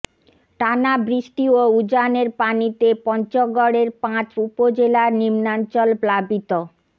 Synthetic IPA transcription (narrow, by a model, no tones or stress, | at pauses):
ʈanabɾiʃʈioud͡ʑaneɾpanit̪epɔnt͡ɕoɡɔɽeɾpãt͡ɕupod͡ʑelaɾnimnant͡ɕɔlplabit̪o